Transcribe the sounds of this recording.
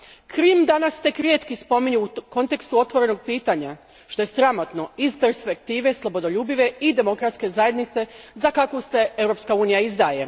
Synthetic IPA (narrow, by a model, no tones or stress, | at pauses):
kɾiːmd̪anast̪e̞kɾjet̪kispo̞miɲuuko̞nt̪e̞kst̪uo̞t̪ʋo̞ɾe̞no̞ɡ̚piːt̪aɲa | ʃt̪o̞je̞sɾamo̞t̪no̞izpe̞ɾspe̞k̚t̪iːʋe̞slˠo̞bo̞d̪o̞ʎuːbiʋe̞id̪e̞mo̞kɾat̪ske̞zaje̞d̪nit̪se̞zakakose̞ewɾo̞pskauːnijaizd̪aːje̞